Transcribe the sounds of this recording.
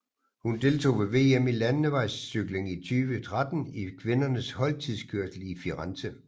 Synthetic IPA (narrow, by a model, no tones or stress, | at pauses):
hund̥e̝lt͡sʰo̝̰ːʋe̝ʋe̝̰emilænːəʋɑ̈ɪsːyɡ̥le̝ŋit͡sʰyːʋət͡sʰʁad̥n̩ikʰʋe̝nɐnəshɒ̽lt͡sʰið̰ˠskʰøɐsl̩ifiʁɑnsə